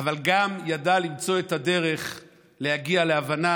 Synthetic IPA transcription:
avalɡamjadalimt͡so̞etad̪e̞ʁe̞χ | le̞haɡialeavana

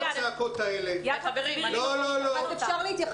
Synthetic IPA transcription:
t͡seakot̪aelebilololoazefʃaʁleit̪jaχ

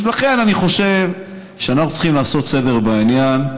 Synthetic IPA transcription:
zlaχe̞naniχo̞ʃe̞v | ʃeanaχnut͡sl̥χimlaːso̞t̪se̞deʁbainjan

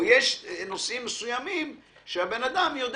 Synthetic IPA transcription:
jeʃnosimːesujamimʃehabe̞nad̪amjod̪

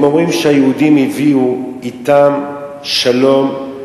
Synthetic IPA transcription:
momʁimʃeajeud̪imiviu | it̪am | ʃalo̞m

